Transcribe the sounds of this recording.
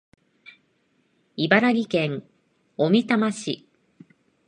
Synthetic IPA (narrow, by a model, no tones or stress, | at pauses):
ibaɾaɡʲikẽ̞ŋ | o̞mʲit̪amaɕi